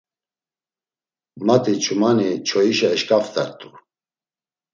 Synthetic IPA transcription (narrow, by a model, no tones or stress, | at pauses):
mat̪ʼit͡ʃʰʼumanit͡ʃʰɔiʃɛːʃkʼaft̪ʰʼaɾt̪ʼu